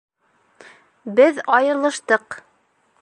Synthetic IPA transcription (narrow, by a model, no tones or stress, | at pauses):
bɘðɑjɤ̆ɾlˠɤ̆ʃt̪ɤq